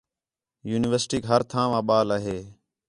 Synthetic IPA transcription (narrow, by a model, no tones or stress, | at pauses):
juːnɪʋəɾsʈiːkɦəɾt̪ʰãːʋãːɓaːlaːɦeː